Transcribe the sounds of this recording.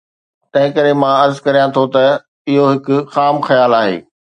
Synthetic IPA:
t̪ɐ̃ɦɪ̃kɐɾemãɐɾzkɐɾijãt̪ʰot̪ɐ | ɪɦoɦɪkʊ̆xaːmxɐjaːlaːɦḛː

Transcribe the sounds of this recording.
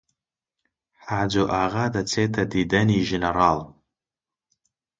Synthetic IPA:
ħad͡ʒʷoʔaʁadat͡sʰetʰadidaniʒeneɾal

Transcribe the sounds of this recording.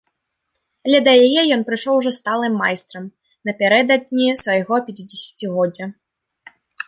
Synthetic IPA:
ɐlʲɛd̪ɐjajɛjɔnpɾɨʂɔwʐɔst̪alˠɨmːajst̪ɾɐm | nɐpʲaɾɛd̪ɐd̪̚ʲnʲisvɐjɣɔpʲat͡sʲid͡zʲɛsʲḁt͡sʲiɣɔdd͡zʲːɐ

